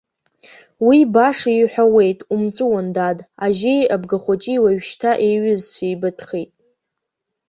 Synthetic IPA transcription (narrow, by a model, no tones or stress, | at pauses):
wibaʂiħʷᶣawe̞jtʼumt͡sʷʼɨwandadaʒejabɡaχʷat͡ʃʼiwaɥʃtʰaʔejɥɪzt͡sʷʰajbɨtʰʼχejtʼ